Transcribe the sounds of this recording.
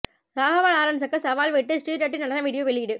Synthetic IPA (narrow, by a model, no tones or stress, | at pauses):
ɾaːɣɐʋaːɭaːɾɐms̬ɐkːɯsɐʋaːlʋeʈːɯsʈiːʈɐʈːɪnɐnɐnɐʋiːɽɪjoʋɛɭɪɽɯ